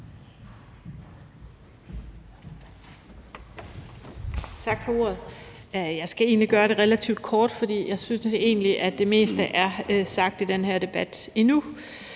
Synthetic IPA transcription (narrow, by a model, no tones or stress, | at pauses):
t͡sʰɑ̈ɡ̥fɒ̽o̝ːɐ̰ð̩ˠjɑ̈ɪsɡ̥æe̝̰ːnliɡ̥ɶːɐɾe̝ʁelæt͡sʰḭʊd̥̚kʰɒːd̥fɒ̽d̥ḭːjɑ̈ɪsynse̝̰ːnliʔæd̥e̝me̝̰ːsd̥əʔæɐsɑ̈ɡ̥̚d̥id̥enheɐ̰d̥e̝b̥æd̥inu